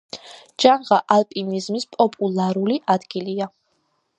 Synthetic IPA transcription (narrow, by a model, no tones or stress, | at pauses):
d͡ʒanʁaʔalpʼinizmispʼɔpʼulˠaɾuliʔad̪ɡilia